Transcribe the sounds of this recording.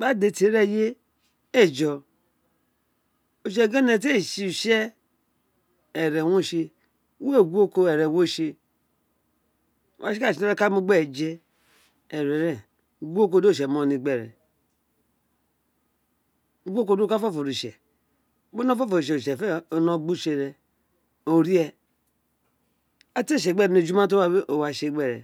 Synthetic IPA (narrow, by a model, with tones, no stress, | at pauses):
k͡pa˦˨de˨tɾe˦˨je˦ | e˦˨d͡ʒɔ˨ | o˨ʃ̬e˨ɡe˦ne˨te˦˨ʃi˦u˨ʃe˦ | e˨ɾe˨wo˦˨ʃe˦ | we˦˨ɡʷo˦ko˦e˨ɾe˨wo˦˨ʃe˦˨ | wa˦i˦a˦˨ʃi˨ne˦ɾe˦ka˦mu˦ɡ͡be˦˨d͡ʒe˦ | e˨ɾe˨ɾe˨ | ɡʷo˦k̬o˦do˦˨ʃ̬e˨m˦o˨ni˨ɡ͡be˨ɾḛ˨˦ | ɡʷo˦ko˦˨do˦kfo˦fo˨ɾi˨ʃḛ˨˦ | bo˦no˦fo˦fo˨ɾi˨ʃe˨ʃe˨fe˦o˨no˦ɡ͡bu˦ʃe˦˨ɾe˨ | o˨ɾi˦e˦ | a˦te˦ʃ̬e˨ɡ͡be˦ɾne˨d͡ʒu˦ma˦t̬o˦a˦be˦ʔo˨wa˨ʃe˦˨ɡ͡be˦˨ɾḛ˨